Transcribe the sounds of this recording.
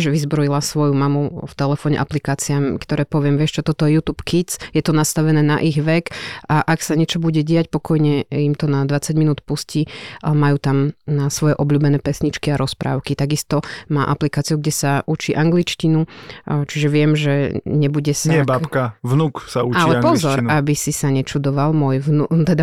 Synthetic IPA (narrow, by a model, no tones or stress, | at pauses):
ʒʋizbɾɔjilasʋɔjumamuft̪ɛlɛfɔːɲɛ̰ʔaplikaːt͡siamkt̪ɔɾɛːpɔʋɪɛmʋɪɛʃt͡ʃɔt̪ɔt̪ɔjɛjut̪uːpkit͡sjɛt̪ɔnast̪aʋɛnɛːnaʔiɣʋɛkaʔaksaɲɛt͡ʃɔbuɟɛɟɛacpɔkɔjɲɛimt̪ɔnad̪ʋat͡saɟminuːt̪puscimajuːt̪amnasʋɔjɛʔɔblʎuːbɛnɛːpɛsɲit͡ʃkiaɾɔspɾa̰ːʊkit̪aɡist̪ɔmaːʔaplikaːt͡siuɡɟɛsaʔut͡ʃiʔaŋɡlit͡ʃcinut͡ʃiʒɛʋɪɛmʒɛɲɛbuɟɛsɛbakaʋnuksauallɛpɔzɔɾabisisaɲɛt͡ʃud̪ɔʋalmʊɔjʋnut̪ɛd̪a